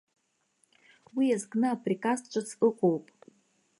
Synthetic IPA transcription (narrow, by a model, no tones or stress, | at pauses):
wiazɡnɨapʰrikʼast͡ʃʷʼɨt͡sʰɨqʼowpʼ